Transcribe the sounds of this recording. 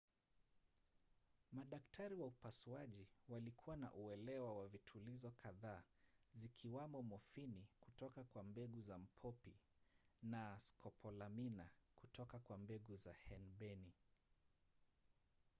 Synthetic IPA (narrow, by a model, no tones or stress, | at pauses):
maɗaktʰaɾiwaupasuaʄiwalikʰuwana̰ʔuɛlɛwawavitʰulizɔkʰaðaːzikʰiwamɔmɔfiniku̥tɔkakwambɛɠuzam̩pʰɔpi | naskʰɔpʰɔlaminakutɔkakwambɛɠuzahɛnɓɛni